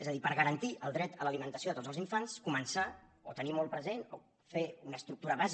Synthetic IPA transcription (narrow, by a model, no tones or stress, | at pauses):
ezəðipəɾɣəɾənt̪iʔəlˠd̪ɾɛt̪ələlimənt̪əsioðət̪od͡zəlˠziɱfanskumənsaot̪ənimɔlˠpɾəzeno | feunəːst̪ɾuk̚t̪uɾəβaz